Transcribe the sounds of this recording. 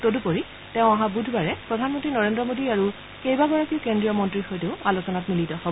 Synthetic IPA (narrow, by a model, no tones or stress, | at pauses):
todupoɹi | tɛ̃ʊ̃aɦãbudʱbaɹɛpɹɔdʱanmɔntɹinɔɹendɹɔmodiaɹu | kejbaɡɔɹakiʊkendɹijɔmɔntɹixɔjtʊalosɔnatmilitɔhɔb